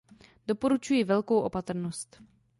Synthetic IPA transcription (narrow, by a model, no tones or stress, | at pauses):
d̥o̞po̞ɾut͡ʃujɪvɛlko̞wʔo̞pat̪ɾ̩nost̪